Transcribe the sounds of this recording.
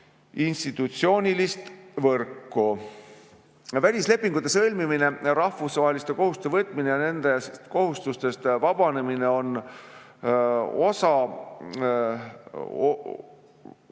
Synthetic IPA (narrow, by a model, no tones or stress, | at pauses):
inst̪it̪ːˑut̪sio̞ːnʲilist̪vɤrkːu | vælʲisle̞pːiŋɡ̥ut̪ːˑe̞sɤlʲmimine̞ɾɑhvusvɑɦe̞list̪e̞ko̞hust̪evɤt̪ːˑminejɑne̞nd̪̥e̞st̪ko̞ɦust̪ust̪e̞st̪vɑb̥ɑne̞mine̞o̞n | o̞sɑ | o